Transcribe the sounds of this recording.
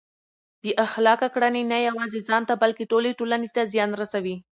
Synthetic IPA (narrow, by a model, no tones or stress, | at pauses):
b̥eʔaxlɑkakɽanenajawɑzezɑnt̪abalkeʈoleʈolanet̪azjɑnɾasawi